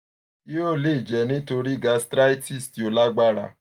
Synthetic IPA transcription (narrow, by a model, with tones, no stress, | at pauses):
i˦o˦˨le˦i˨d͡ʒɛ˨nĩ˦to˧ɾi˦ɡa˨˧stɾa˦i˦ti˦˨sti˨o˨˧la˦ɡ͡ba˦ɾa̰˧˨